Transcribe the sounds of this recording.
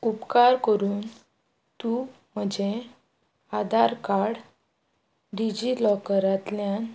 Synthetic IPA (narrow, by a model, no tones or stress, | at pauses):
upkaɾkəɾuːn | t̪u | m̤əd͡ʑʱe | ad̪ʱaɾkaɾɽ | ɖid͡ʑilɔkəɾat̪ljan